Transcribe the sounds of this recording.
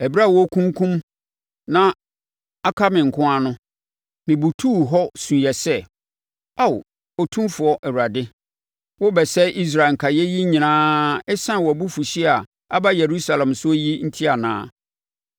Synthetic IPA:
ɛ˨bi˦a˦˨wɔ˦kʰũ˦ŋ˦kʰũ˦m | nã˦ | a˦kʰa˦mɪ̃˨ŋ̩˨kʰʊ̃˦a˦nʊ̃˦ | mɪ̃˨bu˨tʰuː˦˨ɦɔ˦sũ˨jɛ˨sɛ˦ | a˦˨w | ɔ˨tʰũ˦mfʊ˨ɔ˦ʔɛ˨wu˨ɾa˨dɪ˦ | wɔ˦bɛ˨sɛ˦ʔi˦s̬ɾa˨ŋ̩˨kʰa˨jɛ˦ji˦ɲĩ˨nãː˦ɛ˦sã˦˨wɔ˨bu˦fu˨ɕi˦a˨ | a˦ba˦je˨ɾu˦sa˨lɛ̃˨msʊ˦ji˦n̩˦tʰi˦a˨nã̰ː˦

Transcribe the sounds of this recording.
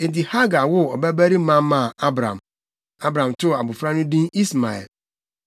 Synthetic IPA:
e˨ti˨ha˦ɡa˨wʊ˦ɔ˨bæ˦bæ˦ɾi˦mã˦mã˦˨a˦bɾã̰˨m˨ | a˦bɾã˨mtʊ˦˨a˨bʊ˨fɾa˦nʊ̃˦dĩ˦i˦sma˨ɛ̰˨l

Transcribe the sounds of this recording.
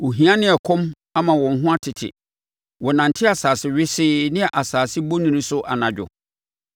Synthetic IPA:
wɔ˨ɦĩ˨ã˦nɪ̃˦ɛ˨kʰɔ̃˦m | a˦mã˨wɔ̃˨ŋ̩˦ɦʊ̃˦a˦tʰɪ˨tʰɪ̰˨ | wɔ˨nã˨n̩˨tʰɪ˦a˨saː˨sɪ˦ɥɪ˦sɪ˦nɪ̃˦ɛ˨ʔa˨saː˨sɪ˦bo˦nĩ˨nĩ˦sʊ˦ʔa˨nã˨d͡ʑᶣʊ̰˨

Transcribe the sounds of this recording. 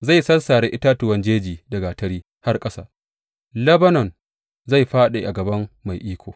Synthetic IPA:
za˦˨jsɐ˦lsaː˨ɽe˦ʔɪ˦taː˦tʊ˨wɐ˦nd͡ʒeː˦d͡ʒiː˨dɐ˨ɡa˨tɐ˦ɽiː˦ | ha˦rkʼɐ˦sa̰ː˦ | lɐ˦bɐ˦nɔ˨n | za˦˨jɸaː˦ɗe˨ʔa˨ɡɐ˨bɐ˦mːa˨jʔiː˦kʷo̰ː˨

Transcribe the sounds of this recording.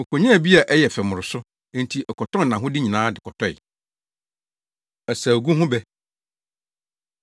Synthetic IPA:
kʰo˨ɲã˦˨bi˦a˨ʔɛ˦jɛ˨fɛ˨mʊ̃˨ɾʊ˨sʊ˦ | nẽ˦n˨tʰi˨ʔɛ˨kʰɔ˨tʰɔ̃˦n˨nã˨ɦʊ̃˦dɪ˦ɲĩ˨nãː˨˦dɪ˨kʰɔ˨tʰɔ˦ɪ̰˨ | ɛ˨saː˨ɡu˦ɦʊ̃˦bɛ˦

